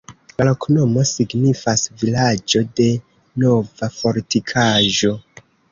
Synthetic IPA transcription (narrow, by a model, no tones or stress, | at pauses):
lalokʰono̞mo̞siɡnifasvilad͡ʒo̞de̞ | no̞vafo̞ɾtikʰaʒo̞